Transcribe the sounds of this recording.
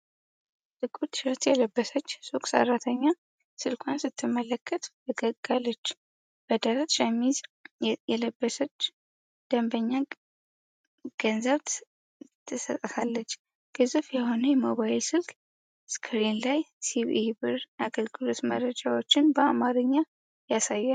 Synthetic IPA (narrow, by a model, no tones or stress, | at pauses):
t̪ʼɨkʼut̪ʃɾət̪jɛləbːəsət͡ʃːsokʼsə̰rːat̪ʰəɲːa | sɨlkʷʰansɨt̪ʰːɨmːələkʰːət̪bəɡəɡalːət͡ʃː | b̥əd̪əɾət̪ʃɛmːizjɛləbːəsət͡ʃː | d̪̥əmbəɲːa | ɡ̥ənzəβt̪ | t̪ʰːɨsət̪ʼːtʰalːət͡ʃː | ɡ̥ɨzɨfjɛho̞nəjɛmoβajlsɨlkʼ | skʰɨɾinlajsiβʔibɨɾaɡəlɡɨlo̞t̪mə̰ɾəd͡ʒawo̞t͡ʃːɪnbəamaɾɨɲːa | jasajːa